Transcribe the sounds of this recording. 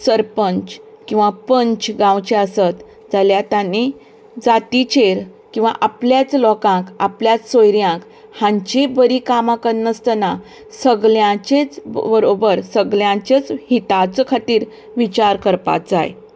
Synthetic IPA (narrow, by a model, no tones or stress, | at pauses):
səɾpəɲt͡ɕ | kĩw̃ʋapəɲt͡ɕɡãwt͡ɕeəsət̪ | d͡zaljat̪ani | d͡zat̪it͡ɕeɾ | kĩw̃ʋa̰ʔapljat͡slɔkãkapljat͡ssojɾjãk | hãɲt͡ɕebəɾikamãkənnəst̪əna | səɡljãt͡ɕet͡sbəɾobəɾsəɡljãt͡ɕet͡shit̪at͡səkʰat̪iːɾ | ʋit͡ɕaɾkəɾpa̰t͡sa̰j